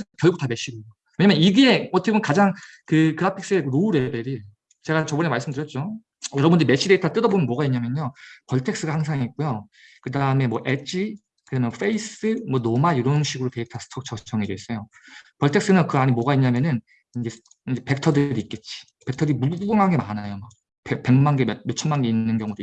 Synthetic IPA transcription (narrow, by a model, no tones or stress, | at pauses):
kjʌɭɡut͈ame̞ɕ͈iɾoo | we̞ɲamjʌniɡe̞ʌtʰkebʌnkad͡ʑaŋkɯkɯɾapʰiks͈ɯekɯɾouɾe̞be̞ɾi | t͡ɕe̞ɡat͡ɕʌbʌnemaɭs͈ɯmdɯɾjʌt̚t͡ɕ͈o | jʌɾʌbundɯɾime̞ɕ͈ide̞itʰat͈ɯdʌbomjʌnmwʌɡaiɲːamjʌnɲopʌɭtʰe̞k̚s͈ɯɡahaŋsʰaŋik̚k͈ujo | kɯdaɯme̞mwʌʔet͡ɕ͈ʰi | kɯɾʌmjʌnfʰeis͈ɯmwʌnomaiɾʌnɕʰiɡɯɾote̞itʰasʰɯ̥tʰʌk̚t͡ɕʰʌt͡ɕʰʌŋɦed͡ʑois͈ʌjo | pʌɭtʰeks͈ɯnɯnkɯaɲimwʌɡaiɲːamjʌnɯn | ind͡ʑe̞ | ind͡ʑe̞pe̞k̚tʰʌdɯɾiːt̚k͈e̞t̚t͡ɕ͈i̥ | pe̞ktʰʌdɯɾimuɡɯŋɦaɡe̞manajomak̚ | pepe̞ŋmanɡemjʌtjot͡ɕʰʌnmanɡe̞inːɯnɡjʌŋudo